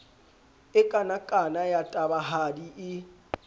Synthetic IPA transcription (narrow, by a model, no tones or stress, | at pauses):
ɪkʼanakʼanajatʼabaɦadiʔɪ